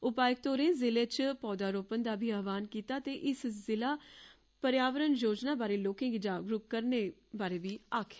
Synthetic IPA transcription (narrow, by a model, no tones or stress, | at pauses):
ʊpaːjək̚t̪oːɾẽːzɪleːt͡ʃpɔːd̪aːɾoːpənd̪aːbʱiːaːʋaːnkiːt̪aːt̪eːʔɪszɪlaː | pəɾjaːʋəɾənjoːd͡ʒnaːbaːɾeːloːkɪ̃ːɡid͡ʒaːɡɾʊp̚kəɾneːbaːɾeːʋiːaːkʰe